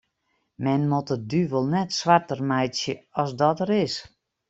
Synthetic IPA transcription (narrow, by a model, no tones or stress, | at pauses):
mɛnmotədyvəlˠnɛtsʋartərmajsjəɔsdɔtəɾɪs